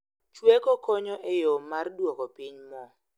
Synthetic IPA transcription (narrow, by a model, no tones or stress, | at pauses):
t͡ʃwɛkɔkʰɔɲɔʔɛjɔmarɗwɔkɔpiɲmɔ